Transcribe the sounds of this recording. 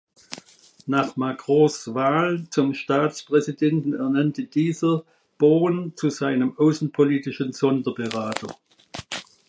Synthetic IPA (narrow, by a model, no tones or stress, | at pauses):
naχmakʁ̥ɔ̃svaːlt͡sʊmʃtaːt͡spʁ̥ɛzidɛntn̩ɛɐnantəd̥iːzɐ | b̥oːənt͡suzaɪnəmʔaʊsn̩pʰoliːtɪʃənz̥ɔndɐbəʁaːtɐ